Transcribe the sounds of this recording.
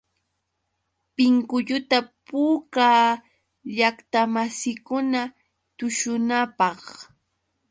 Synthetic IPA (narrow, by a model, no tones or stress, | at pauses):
pɪŋkʊʎʊt̪apuːkaː | ʎakt̪amasɪkʊna | t̪ʊʃʊnapɑχ